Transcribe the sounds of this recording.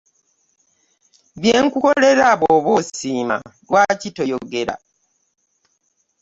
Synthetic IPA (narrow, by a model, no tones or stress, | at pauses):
βjeːŋkuko̞le̞ɾaβoːβosiːma̰lwaːcitojoɡe̞ɾa̰